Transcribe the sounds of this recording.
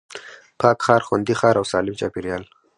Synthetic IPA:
pʰɑkxɑɾxwand̪ixɑɾawsɑlɪmt͡ʃɑpiɾjɑːl

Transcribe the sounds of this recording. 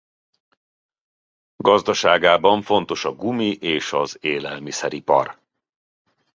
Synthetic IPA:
ɡɒzd̪ɒʃaːɡaːbɒɱfo̞nt̪o̞ʃɒɡumiʔeːʃɒzeːlɛlmisɛɾipɒ̰r

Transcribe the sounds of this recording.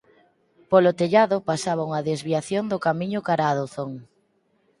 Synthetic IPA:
polot̪eʎaðʊpasaβ̞auŋɐðezβiaθjond̪ʊkamiɲʊkaɾaðoθoŋ

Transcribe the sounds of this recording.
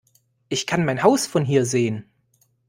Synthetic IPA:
ʔɪçkʰanmaɪnhaʊsfɔnɦiːɐzeːən

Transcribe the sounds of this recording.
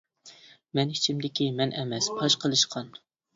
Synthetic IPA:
mɛnit͡ʃʰimd̪ɪkʲimɛnʔɛmɛspʰɑʃqʰəlˠɨʃqʰɑn

